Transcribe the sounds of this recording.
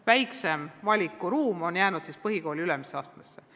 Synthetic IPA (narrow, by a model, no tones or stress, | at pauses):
væjkse̞mvɑlʲikːˑuɾuːmo̞njæːnud̪̥sispɤɦiko̞ːlʲiylɛmiseɑːst̪mesːe̞